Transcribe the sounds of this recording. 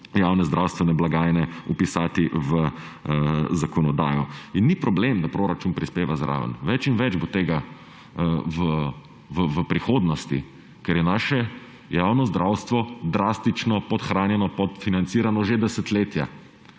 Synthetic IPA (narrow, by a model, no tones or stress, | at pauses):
jaːwnɛzd̪ɾawst̪ʋɛnɛblaɡaːjnɛupisaːt̪iʋə | zakɔnɔd̪a̰ːjɔinːipɾɔblemd̪apɾoːɾat͡ʃunpɾispeːʋazɾʔa̰ːʋə̰nʋɛt͡ʃinʋɛd͡ʒbot̪eːɡa | ʋə | ʋəʋəpɾixoːd̪nɔst̪ḭ | kɛɾjɛnaːʃɛ | jaːwnɔzd̪ɾʔaːwst̪ʋɔd̪ɾaːst̪it͡ʃnɔpɔt̪xɾaːnjɛnɔpɔt̪finant̪siːɾanɔʒed̪ɛsɛt̪leːt̪ja̰